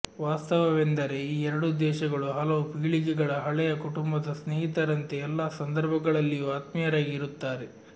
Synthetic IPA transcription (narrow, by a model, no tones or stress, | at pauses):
ʋaːst̪ɐʋɐʋend̪ɐɾe̞iːɛɾɐɽud̪ɛːʃɐɡɐɭuɦɐlɐʋupiɡɭiɡɛɡɐɭɐɦɐɭɛjɐkuʈumbɐd̪ɐsneːɦit̪ɐɾɐnt̪e̞ːlːaːsɐnd̪ɐɾbʱɐɡɐɭɐlːijuaːt̪mijɐɾaːɡiɾut̪ːaːɾe